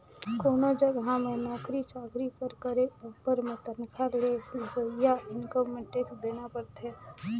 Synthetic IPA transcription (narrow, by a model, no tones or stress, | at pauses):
koːnod͡ʒəɡɦãmẽnɔːkɾit͡ʃaːkɾipəɾkəɾepəɾmẽt̪ənkʰaɾlekojaɪnkomeʈeːksd̪eːnapəɾt̪ɦɛː